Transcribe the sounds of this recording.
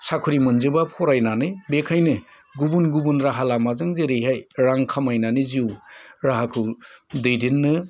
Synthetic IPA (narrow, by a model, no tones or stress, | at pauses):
sakʰuɾimɯnzɯbapʰɔɾajnanɯbekʰajnɯ | ɡubunɡubunɾaɦalamazɯŋzeɾejɦajɾaŋkʰamajnanɯziuwɾaɦakʰɯwdɯjdinːɯ